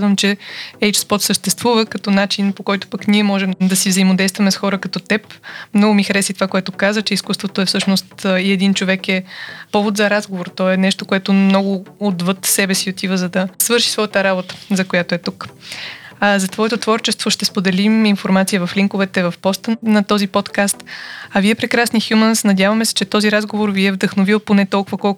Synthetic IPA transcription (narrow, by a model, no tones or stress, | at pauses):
zvəmt͡ʃɛɛjt͡ʃspɔt̪səʃt̪ɛst̪vuvəkɐt̪ɔnat͡ʃinpokɔjt̪ʊ̥pəkniɛmɔʒɛmd̪ɐsivzɐimod̪ɛjst̪vɐmɛsxɔɾəkɐt̪ɔt̪ɛpmnɔɡʊmixɐɾɛsit̪ovakoɛt̪ʊkazət͡ʃɛiskust̪vot̪oɛfsɤʃnost̪iɛd̪int͡ʃovɛkɛpɔvot̪zɐɾazɡovoɾt̪ɔɛnɛʃt̪okoɛt̪ʊmnɔɡʊod̪vɤt̪sɛbɛsiot̪ivəzɐd̪ɐsvɤɾʃi̥svɔjət̪əɾabot̪ə̥zɐkojat̪oɛt̪uk | zɐt̪vɔɛt̪ot̪vɔɾt͡ʃɛst̪voʃt̪ɛspod̪ɛliminfoɾmat̪sijəvɐfliŋkovɛt̪ɛvɐfpɔst̪ənɐt̪ɔzipɔt̪kast̪ɐviɛpɾɛkɾasnixjumənsnɐd̪ʲjavɐmɛsɛ̥t͡ʃɛt̪ɔziɾazɡovoɾviɛvd̪əxnovilˠponɛt̪ɔlˠkʊvɐkɔlˠ